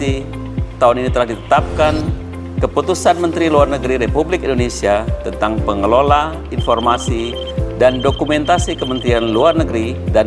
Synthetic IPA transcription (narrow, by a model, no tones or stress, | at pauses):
i | t̪auninit̪əlahdit̪ə̥t̪ap̚kan | kəput̪usanmənt̪ɾiluarnəɡɾiɾepublɪkindonesiat̪ənt̪aŋpəŋəlola | infɔrmasi | dandokumɛnt̪asikəmənt̪ɾianluarnəɡɾida